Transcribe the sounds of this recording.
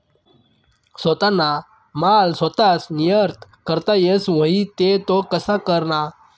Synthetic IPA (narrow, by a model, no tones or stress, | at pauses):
sət̪ana | malsət̪asnijəɾt̪kəɾt̪ajesʋəɦit̪et̪okəsakəɾna